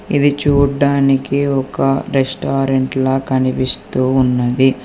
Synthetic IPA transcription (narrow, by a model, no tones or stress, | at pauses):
id̪it͡ʃuːɖaːnikiɔkɐɾesʈaːɾeɳʈlaːkɐnipist̪uːunːɐd̪i